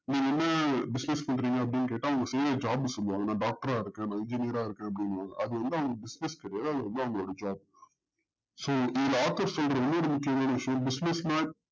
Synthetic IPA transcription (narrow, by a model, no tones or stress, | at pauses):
nĩːŋɡɐɛnːɐbɪsnɛspɐɳːɾiːŋɡɐɐp̬ːɐɽɪnːɯkeːʈːãːɐʋɐŋɡɐsɪɾɐd͡ʒaːbsɔlːɯʋaːŋɡɐnãːɖaːk̚ʈɐɾaːɪɾɯkːẽːnãːɪɲd͡ʒɪnɪjɐɾaːɪɾɯkːẽːɐp̬ːɽɪnːɯʋãːŋɡɐ̰ʔɐðɯʋɐnd̪ɯɐʋɐŋɡɐbɪsnɪskɪɾɐjaːðɯɐðɯʋɐnd̪ɯɐʋɐŋɡɐɭoːɽɐd͡ʒaːb̚ | soːɪðɪlɐaːɾt̪ɐɾssɔlɾɐɔnːoːɽɯmʊkːɪjɐmaːnɐʋɪʂɐjõbɪsnɛsmaːk̚